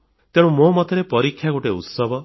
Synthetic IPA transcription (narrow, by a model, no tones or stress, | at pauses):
t̪eɽ̃ũmomɔt̪ʰeɾepɔɾikʰːjaɡoʈeṵt̪sɔbʱɔ